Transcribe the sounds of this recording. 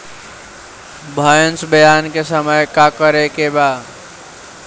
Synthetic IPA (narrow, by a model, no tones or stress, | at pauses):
bʱəjənsbəjankesəməjkakəɾekeba